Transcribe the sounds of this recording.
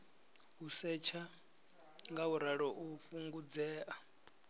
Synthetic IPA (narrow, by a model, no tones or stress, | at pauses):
ɦusɛt͡ʃʰa | ŋɡauɾaɺɔʔuɸuŋɡud͡zɛːʔa